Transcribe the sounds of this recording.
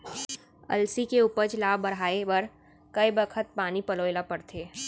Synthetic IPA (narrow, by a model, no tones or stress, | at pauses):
ɐ̰lsikeuːpət͡ʃlaːbɐɾaːebɐɾ | kɐibəkʰət̪̚paːnipɐloːjlapɐɾt̪ʰeː